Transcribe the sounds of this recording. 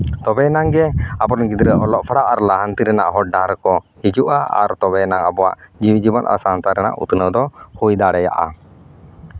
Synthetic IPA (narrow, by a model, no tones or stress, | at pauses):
t̪ɔbɛnaŋɡɛabɔnɡid̪ɾəʔɔlɔʔpʰaɽaʔaɾlaɦant̪iɾɛnaʔɦɔʈ̚ɖaɾkɔhid͡ʒuʔaa̰ɾt̪ɔbɛnaŋabɔwa̰ʔd͡ʒiwid͡ʒibɔna̰sant̪aɾɛna̰ʔṵt̪nəwd̪ɔhujd̪aɽɛja̰ʔa